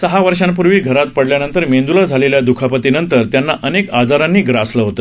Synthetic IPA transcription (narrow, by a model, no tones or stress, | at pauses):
səɦaʋəɾʂãmpuɾʋiːɡʱəɾat̪̚pəɽljanənt̪əɾmend̪ulad͡zʱaleljad̪ukʰapət̪inənt̪əɾt̪janːaʔənekad͡zaɾanːiːɡɾasləɦot̪ə̥